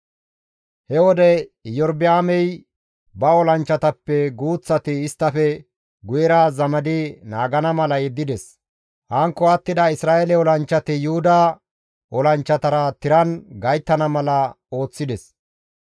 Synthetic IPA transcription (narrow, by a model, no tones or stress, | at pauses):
hɛwɔd̪ɛjɔɾbɪaːmɛj | bɐɔlɐnt͡ʃːɐt̪ɐpːɛɡuːt͡sːɐt̪ɪːst̪ːɐfɛ | ɡʊjɛɾaːzɐmɐd̪ɪnaːɡɐnɐmɐlɐjɛd̪ːɪd̪ɛs | hɐŋkːɔɐt̪ːɪd̪ɐɪsɾaːʔɛlɛɔlɐnt͡ʃːɐt̪ɪjʊhʊd̪a | ʔɔlɐnt͡ʃːɐt̪ɐɾɐt̪ɪɾɐnɡɐjt̪ːɐnɐmɐlɐ | o̞ːt͡sːɪd̪ɛs